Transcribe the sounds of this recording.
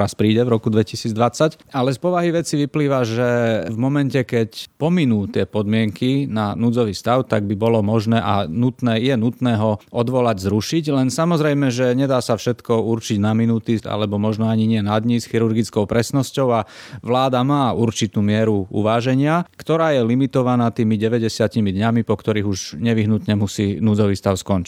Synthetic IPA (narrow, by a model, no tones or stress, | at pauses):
ɾaspɾiːɟɛvɾɔkud̪ʋɛcisiːd͡zd̪ʋat͡sacalɛspɔʋaɦiʋɛt͡siʋipliːʋaʒɛvmɔmɛncɛkɛcpɔminuːt̪ɪɛpɔd̪mɪɛŋkinanud͡zɔʋiːst̪aʊt̪aɡ̚bibɔlɔmɔʒnɛːʔa̰nut̪nɛːjɛnut̪nɛːɦɔɔd̪ʋɔlaɟzɾuʃiɟlɛnsamɔzɾɛjmɛʒɛɲɛd̪aːsafʃɛt̪kɔurt͡ʃiɟnaminut̪ia̰lɛbɔmɔʒnɔaɲiɲɪɛnad̪ɲisxiɾuɾɡit͡skɔʊpɾɛsnɔscɔʊaʋlaːd̪amaːuɾt͡ʃit̪uːmɪɛɾuṵʋaːʒɛɲɪakt̪ɔɾaːjɛlimit̪ɔʋanaːt̪iːmiɟɛʋɛɟɛsɪacimid̪ɲamipɔkt̪ɔɾiːɣuʒɲɛʋiɦnut̪ɲɛmusiːnuːd͡zɔʋiːst̪aʊskɔnt͡ʃi̥